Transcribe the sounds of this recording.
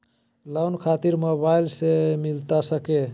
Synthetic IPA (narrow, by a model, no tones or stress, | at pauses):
lawnkʰat̪iɾmobailsemilt̪asəke